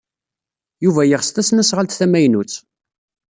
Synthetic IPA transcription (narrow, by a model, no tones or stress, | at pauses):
juvæjəʁst̪æsnæsʁəlt̪θæmæjnut͡sː